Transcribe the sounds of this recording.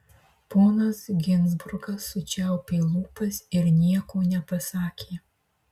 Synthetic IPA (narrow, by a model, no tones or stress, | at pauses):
poːnɐsɡʲɪnʲzbʊɾɡɐsːʊt͡ʃʲɛˑʊpʲeːlˠuːpɐsɪɾnʲiɛkoːnʲɛpɐsɑːkʲeː